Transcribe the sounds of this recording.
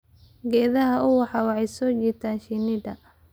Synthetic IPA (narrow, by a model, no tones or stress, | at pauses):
ɡɛːðɐɦɐʔʊwɑħɑwɑʕɛjsɔːt͡ʃiːt̪ʰaːnʃinɪd̪ɐ